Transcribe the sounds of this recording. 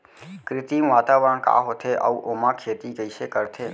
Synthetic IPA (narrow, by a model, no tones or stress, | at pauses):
kɾɪt̪imʋaːt̪aʋɾəɳka̰ːɦot̪ʰeʔa̰uʔomãkʰet̪ikəiʃekəɾt̪ʰe